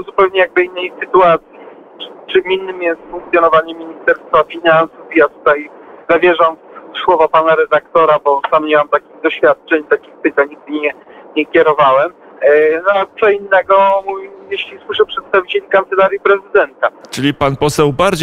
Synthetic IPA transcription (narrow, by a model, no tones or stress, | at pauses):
zupɛwɲɛjaɡ̚bɘinːɛjsɨt̪uat̪sʲji | t͡ʂɨminːɘmjɛst̪fuŋk̚t̪sʲjɔnɔvaɲɛmʲiɲist̪ɛɾst̪fafʲinansufjat̪u̥t̪ajzavʲjɛʐamswɔvapanaɾɛd̪akt̪ɔɾabɔt̪amɲawamt̪akʲiɣd̪ɔɕfʲjat̪̚t͡ʂɛɲt̪akʲixpɘt̪aɲɲiɡ̚d̪ɘɲɛɲɛkʲɛɾɔvawɛm | nɔat̪sɔinːɛɡɔmuvʲijeɕlʲiswɘʂɛpʂɛt̪st̪avʲit͡ɕelʲikant̪sɛlaɾʲjipɾɛzɘd̪ɛnt̪at͡ʂɘlʲipanpɔsɛwbaɾd͡ʑ